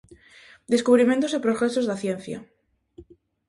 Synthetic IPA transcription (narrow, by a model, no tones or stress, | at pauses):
d̪eskuβ̞ɾimẽnt̪osepɾoɣɾesozðaθjẽnθja̰